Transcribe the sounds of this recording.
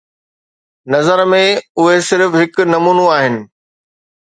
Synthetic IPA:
nɐzəɾmẽʊɦesɪɾfɦɪknɐmuːnuaːɦɪnɪ̆

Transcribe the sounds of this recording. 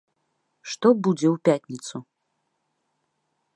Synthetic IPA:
ʂt̪ɔbud͡zʲɛupʲatʲnʲit̪su

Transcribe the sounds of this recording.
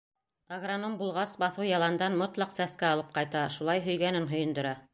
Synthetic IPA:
aɣranombulˠʁɑsbɑθɤwjɑlˠɑnd̪ɑnmot̪lˠɑqsæskæɑlˠɤp̚qɑjt̪ɑʃulˠɑjɦɵ̆jɡænɘnɦɵ̆jɵ̆nd̪ɵ̆ɾɑ

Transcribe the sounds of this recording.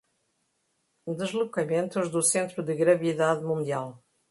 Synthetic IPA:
d̪ɨʒlˠukɐmẽnt̪uʒðusẽnt̪ɾuðɨɣɾɐviðaðmũnd̪ialˠ

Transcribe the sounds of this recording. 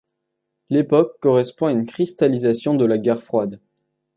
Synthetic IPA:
lepɔkːɔʁɛspɔ̃aynkχist̪alizasjɔ̃d̪əlaɡʲɛʁfχwad̪

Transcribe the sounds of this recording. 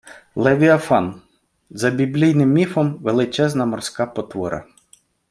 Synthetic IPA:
lˠɛʋʲiɐfɑn | zɐbʲiblʲijnɪmːʲifɔmʋelˠɪt͡ʃɛznɐmɔrsʲkɑpɔt̪ʋɔɾɐ̰

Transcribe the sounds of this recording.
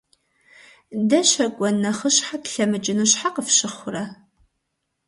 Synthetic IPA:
dɐɕɐkʷʼɔnːɐχəɕħatɬɐmɨt͡ʃʼɪnɨɕħaqəfɕɪχʷʊrɐ

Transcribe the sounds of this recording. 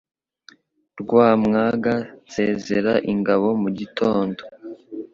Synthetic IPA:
ɾɡwaːmŋaːɡanze̞ːzeɾaʔiŋɡaβo̞muɟitʰo̞ːndo

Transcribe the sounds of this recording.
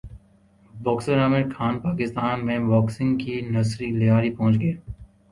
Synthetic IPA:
bɔːkseɾaːmeɾkʰaːnpaːkɪst̪aːnmẽʋɔːksɪ̃ŋɡkinɐsɾilɪjaːɾipɔ̃ːt͡ʃɡeeː

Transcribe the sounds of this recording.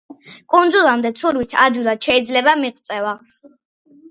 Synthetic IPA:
kʼund̪zulˠamd̪ɛt̪sʰuɾwit̪ʰad̪wilˠad̪̥ʃɛid̪zlɛbamiqʼt̪sʼɛva

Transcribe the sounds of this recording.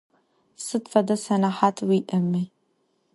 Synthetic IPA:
sɨtfɐdɐsɐnaħaːtʰwiːʔɐmi

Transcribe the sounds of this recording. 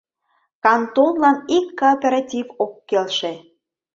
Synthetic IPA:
kɑnt̪ollɑnikːoːpʲeɾɑtʲivokːelʃe

